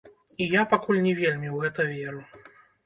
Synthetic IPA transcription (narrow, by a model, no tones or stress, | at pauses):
ijapakulʲnʲɛvʲelʲmʲiwɣɛt̪ɐvʲeɾu